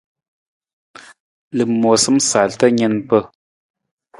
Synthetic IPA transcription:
lɨ˨mo˨sɨ˦msa˨ltə˦ɲɛ˦npə˦

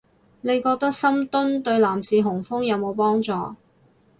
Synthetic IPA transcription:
ne˨˧jkɔː˧k̚t̪ɐ˥k̚sɐ˥mt̪ʊ˥nt̪ɵ˧ɥlaː˨˩msiː˨ɦʊ˨˩ŋfʊ˥ŋjɐ˨˧wmo˨˧wpɔː˥ŋt͡sɔː˨˧

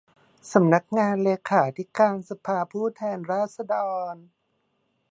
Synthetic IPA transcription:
sa˩˦mna˦˥k̚ŋaː˧nleː˧kʰaː˩˦t̪ʰi˦˥kaː˧nsa˧pʰaː˧pʰuː˥˩t̪ʰɛː˧nɾaː˥˩t̪̚sa˧dɔː˧n

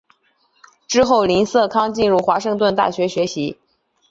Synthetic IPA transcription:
ʈ͡ʂɻ̩˥xo˥˩ʊli˧˥nsɤ˥˩kʰɑ˥ŋt͡ɕi˥˧nɻu˥˩xwa˧˥ʂɤ˥˧ŋt̪̬wə˥˧nt̪̬a̰˥˩ɕɥɛ˧˥ɕɥɛ˧˥ɕi˧˥

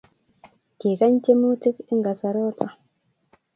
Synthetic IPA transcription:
ke˨ka˦nte˦mu˦ti˦ki˦ŋɡa˨sa˨ɾoː˦t͡sa˨

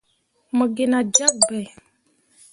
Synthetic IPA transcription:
mə˨ɡe˨na˨d͡ʒa˦k̚bɛ˨

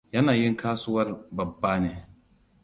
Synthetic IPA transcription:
jɐ˦naː˨jɪ˦ŋkʰaː˦sʊ˦wɐ˦rbɐ˨bːaː˦neː˨

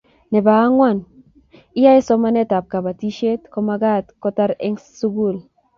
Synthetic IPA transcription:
nɛ˨ba˨a˦ŋwa˦˨n | i˦ja˦e˦sɔ˦ma˦nɛ˦ta˨p̚ka˨ba˨ti˦ʃe˦tkɔ˦ma˦ɡa˦tkɔ˦ta˦ɾɛ˦ŋsu˦ɡu˦˨l

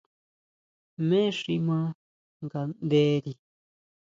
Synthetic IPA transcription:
mẽ˦ʂi˧mã˦ | ŋɡa˨nd̪e˦ɾi˧

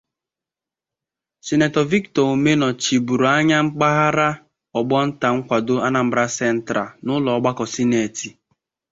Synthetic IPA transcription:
si˨ne˨tɔ˨vi˦ktɔ˨o˨me˦nɔ˨t͡ʃi˨bu˨ɾo˨a˦ɲa˦ŋ͡m̩˦k͡pa˦ɦa˦ɾa˦ | ɔ˨ɡ͡bɔ˦n̩˦ta˨ŋ̩˦kʷa˨do˦a˦na˨m̩˦bɾa˦sɛ˦n̩˦tɾa˨nʊ˦lɔ˨˦ɡ͡ba˦kɔ˨si˦ne˨ti˨

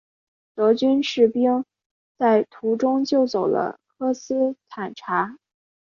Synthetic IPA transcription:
t̪ɤ˧˥t͡ɕy˥nʂɻ̩˥˩pi˥ŋ | t͡sa˥˩ɪt̪ʰu˧˥ʈ͡ʂʊ˥ŋt͡ɕjo˥˩ʊt͡so˨˩ʊlə̰˦kʰɤ˥sɹ̩˥t̪ʰa˨˩nʈ͡ʂʰa˧˥

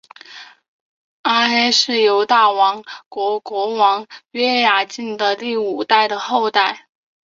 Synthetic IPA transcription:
a˥xe˥ɪʂɻ̩˥˩jo˧˥ʊt̪a˥˩wɑ˧˥ŋkwɔ˧˥kwɔ˧˥wɑ˧˥ŋɥɛ˥ja˨˩t͡ɕi˥˩nd̪ə˨t̪i˥˩u˨˩t̪a˥˩ɪd̪ə˩xo˥˧ʊt̪a˥˩ɪ

